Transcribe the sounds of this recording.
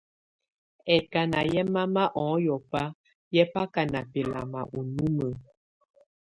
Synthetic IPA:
ɛ˨ka˨na˨jɛ˦ma˦ma˦ʔɔ̃˨˦jɔ˨pa˦ | jɛ˦pa˦ka˨na˨pɛ˨la̰˨ma̰˨ʔu˨nu˦mə˨

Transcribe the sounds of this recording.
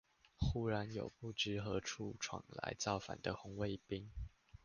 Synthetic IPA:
xu˦ɻa˧˦njo̰˨˩ʊpu˥˨ʈ͡ʂɻ̩˥xɤ˨˦ʈ͡ʂʰu˥˩ʈ͡ʂʰwɑ̰˨˩ŋla̰˧˥ɪt͡sɑ˥˨ʊfa̰˨˩nd̪ə˦xʊ˧˥ŋwe˥˩ɪpi˦˥ŋ

